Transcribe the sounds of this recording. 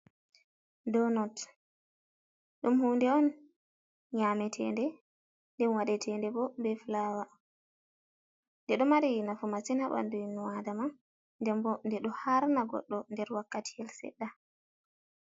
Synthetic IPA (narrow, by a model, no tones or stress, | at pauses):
dɔnɔt | ɗumhuːndɛɔn | ɲamɛtʰɛ̰ndɛ | ndɛnwaɗɛtʰɛndɛbɔbɛflaːwa | ndɛɗɔmaɾinafumasinhaɓa̰ndujnuwadama | ndɛmbɔndɛɗɔhaɾnaɡɔ̰ɗːɔndɛɾwakːatʰi̥ɛlsɛ̰ɗːa